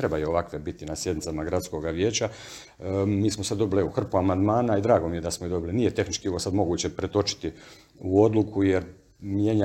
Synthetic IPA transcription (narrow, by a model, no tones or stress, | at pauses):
t̪ɾe̞bajuoʋakʋe̞bit̪inasje̞d̪nit̪samaɡɾat̪sko̞ɡaʋje̞ːt͡ɕa | miːsmo̞sad̪d̪o̞biliuxr̩puamand̪maːnaid̪ɾaːɡo̞mije̞d̪asmoid̪o̞biliniːjet̪e̞xnit͡ʃkioʋosad̪mo̞ɡuːt͡ɕepɾet̪o̞t͡ʃi̥t̪i | uo̞d̪lukʰujeɾ | mje̞ɲa